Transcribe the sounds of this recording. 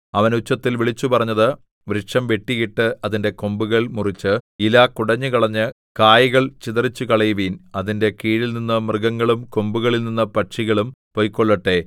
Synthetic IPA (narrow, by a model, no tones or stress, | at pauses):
ɐʋɐnut͡ɕːɐt̪ːilʋiɭit͡ɕːupɐrɐɲːɐðɨ | ʋɾɨʂɐmʋe̞ʈːiɣiʈːɨɐðinde̞ko̞mbuɣɐɭmurit͡ɕːɨilakuɽɐɲːɨkɐɭɐɲːɨ | kaːjiɣɐɭt͡ɕiðɐrit͡ɕːukɐɭɐjʋiːnɐðinde̞kiːɻilninːɨmrɨɡɐŋːɐɭumko̞mbuɣɐɭilninːɐpɐʈʂiɣɐɭumpo̞jkːoɭːɐʈːe̞